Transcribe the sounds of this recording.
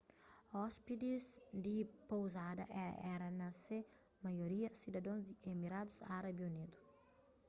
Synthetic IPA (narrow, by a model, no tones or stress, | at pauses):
ɔspid̪izd̪ipowzad̪ɐ̰ʔɛɛɾɐnɐse | majoɾiɐsid̪ɐd̪õzd̪iemiɾad̪usaɾabionet̪u̥